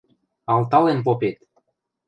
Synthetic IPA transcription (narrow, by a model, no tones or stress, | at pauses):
ɑlt̪ɑlenp̬opet̪